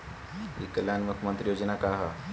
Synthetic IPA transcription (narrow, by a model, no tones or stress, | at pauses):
ikəljanmukʰjmə̃nt̪ɾijoːd͡ʒənakaɦa